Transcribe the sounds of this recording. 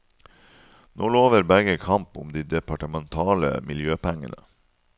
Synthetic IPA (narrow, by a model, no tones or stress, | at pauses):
noːloːʋəɾbæɡəkʰɑmpʊ̰md̪iːd̪ɛpʰɑʈəmɛnt̪ʰɑːlə̰mɪljøːpʰæŋə̰nə